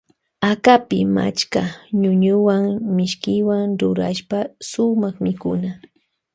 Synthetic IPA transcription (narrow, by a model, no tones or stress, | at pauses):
akapɪma̰t͡ʃkaɲʊɲʊwaŋmɪʃkɪwaŋɾʊɾa̰ʃpasʊmɑχmɪkʊ̰na